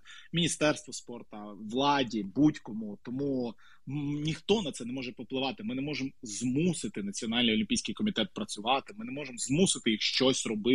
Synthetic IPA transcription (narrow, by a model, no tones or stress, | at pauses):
mʲinʲist̪ɛrst̪ʋɔspɔrt̪ɐʋlˠɑdʲibutʲkɔmʊt̪ɔmu | nʲixt̪ɔnɐt̪sɛnɛmɔʒɛpɔplˠɪʋɑt̪ɪmɪnɛmɔʒɪmzmusɪt̪ɪnɐt͡sʲiɔnɑlʲnɨjɔlʲɪmʲpʲijsʲkɪjkɔmʲit̪ɛt̪̚pɾɐt͡sʲʊʋɑt̪ɪmɪnɛmɔʒɪmzmusɪt̪ɪjixʃt͡ʃɔsʲrɔbɪ